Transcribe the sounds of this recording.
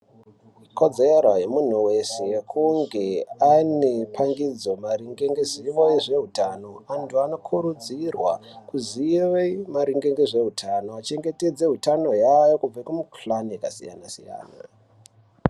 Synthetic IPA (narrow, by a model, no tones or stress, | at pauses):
ɦiko̞d͡zeɾoɦe̞mun̤uwe̞se̞kʰuŋɡe̞anepʰaŋɡid͡zo̞maɾiŋɡeŋɡeziʋoiʐe̞ɦutano̞antʰuano̞kʰuɾud͡zirwakuziʋeimaɾiŋɡeŋɡeʐe̞ɦutʰano̞at͡ʃe̞ŋɡe̞te̞d͡ze̞ɦutano̞jajokub͡vaikumuklaniekasḭja̰nasḭja̰ːna̰